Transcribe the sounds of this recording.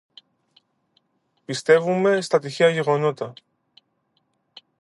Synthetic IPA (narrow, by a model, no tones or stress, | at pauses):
pist̪e̞vume̞st̪ɐt̪içeɐʝe̞ɣo̞no̞t̪ɐ